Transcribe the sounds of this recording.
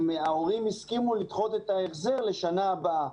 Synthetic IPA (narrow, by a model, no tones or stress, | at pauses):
meao̞ʁimhiskimulit̪χo̞t̪et̪aeχze̞ʁle̞ʃanaːbaa